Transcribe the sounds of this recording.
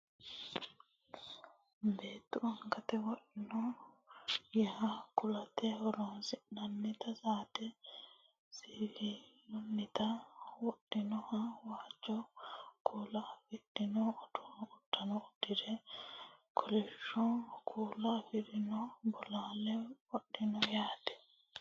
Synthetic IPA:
be̞ːt̪ːʊɐŋɡɐt̪ɛwɔɗɪnɔ | jɛhɐkʊlɐt̪ɛhɔɾɔnsɪnɐnːɪt̪ɐsaːt̪ɛ | siːhinʊnːɪt̪ɐwɔɗːɪnɔhɐwaːt͡ʃːɔkʰuːlɐfɪɗɪnɔɔdɔʊtːɐnɔʊd̪ːɪd̪ɛ | kʰɔlɛʃːɔkʰuːlɐfɪɾɪnɔbɔlaːlɛwɔɗːɪnɔjaːt̪ɛ̥

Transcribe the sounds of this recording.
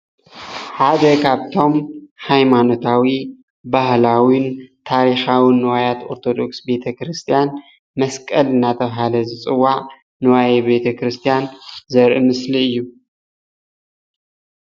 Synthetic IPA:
ħad̪ɐkʰaβt̪ʰo̞mhajmano̞t̪ʰawi | bahlawint̪ʰaɾixawinːɨwajat̪o̞̰ɾt̪ʰo̞d̪o̞ksbe̞t̪ʰɐkɾɨst̪ʰijan | mɐskʼɐlɨnːat̪ʰɐβɦalɐzɨt͡sʼɨwːaʕ | nɨwajɛbe̞t̪ʰɐkʰɾɨst̪ʰijanzɐɾʔɨmɨsliɨjːu

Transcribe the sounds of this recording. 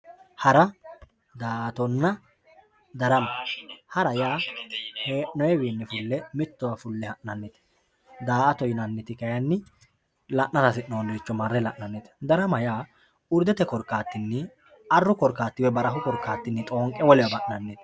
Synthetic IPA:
hɐɾɐ | d̪aːʔɐt̪ɔnːɐ | d̪ɐɾɐmɐhɐɾɐjaːheːʔnɔjɛbiːnːɪfʊlːɛmɪt̪ːɔwafʊlːɛhɐʔnɐnːɪt̪ | d̪aːʔɐt̪ɔjɪnɐnːɪt̪ɪkɐjɐnːɪ | lɐʔnɐɾɐsɪʔnoliːt͡ʃːɔmɐrːɛlɐʔnɐnːɪt̪ɛ̥d̪ɐɾɐmɐjaː | ʊɾd̪ɛt̪ɛkɔɾkːaːt̪ːɪnːɪ | ɐrːʊkɔɾkːaːt̪ːɪwɛbɐɾɐɦʊkɔɾkːaːt̪ːɪnːɪt̪ʼoːŋkʼːɛwɔlɪwɐbɐʔnɐnːɪt̪

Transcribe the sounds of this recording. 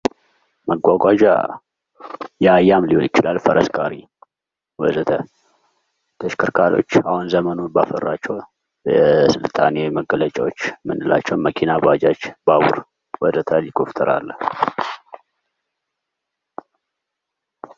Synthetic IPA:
məɡʷaɡʷad͡ʒa̰ | jɛajːamlihonjɪt͡ʃːɪlalfəɾʔəskʼaɾi | wɔzət̪ʰə | t̪ʰəʃkʰɨɾkʰaɾo̞̰t͡ʃːahunzəmənubafərːat͡ʃːɛw | jɛsɨlt̪ʼaneməɡələt͡ʃʼawot͡ʃːmɨndɨla̰t͡ʃːɛwməkʰinabad͡ʒat͡ʃːbaβṵɾ | wɔzət̪ʰəlikʰoft̪ʰəɾa̰lː

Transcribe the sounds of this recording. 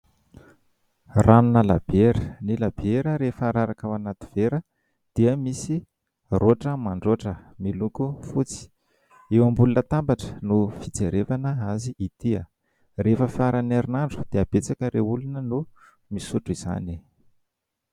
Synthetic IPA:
ranunəla̰b̥eɾənilab̥eɾəɾefəɾaɾakawanat̪i̥v̥eɾə | d̪̥iəmisi | roʈ͡ʂəmaɳɖ͡ʐoʈ͡ʂəmilukufut͡si̥ | ewambulunət̪ambaʈ͡ʂə̥nufit͡seɾevanəaziʔit̪iə̰ | refəfiaɾaneɾinaɳɖ͡ʐu̥d̪̥eab̥et͡sakəɾeulunənu | misuʈ͡ʂiz̥a̰ni

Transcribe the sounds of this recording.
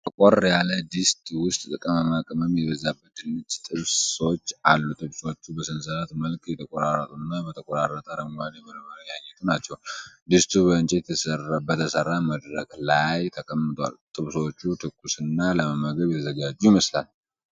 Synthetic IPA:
t̪ʼɨkʼorjaləd̪ist̪ʼwʊst̪ʼt̪ʼɨkʼəməmakʼəməmjɛβəzabːəd̪ɨnːɨt͡ʃʼt̪ʼɨβso̞t͡ʃːalːut̪ʼɨβsot͡ʃːubəsɨnsəɾat̪məlkʼjɛt̪ʰəkʼoɾarət̪ʼunːabət̪ʰəkʼoɾarːət̪ʼəɾəmaljɛməlməɾəjaɲːɛt̪ʰunat͡ʃːɛwd̪ist̪ʰʼubəɨnt͡ʃʼet̪sərbət̪ʰːəsərːaməd̪ɾəklajt̪ʰəkʼəmːɨt̪ʰʼwa̰lt̪ʼɨβso̞t͡ʃːut̪ʰɨkʰʼːusɨnːaləməməɡəβjɛt̪ʰəzəɡad͡ʒːujməslal

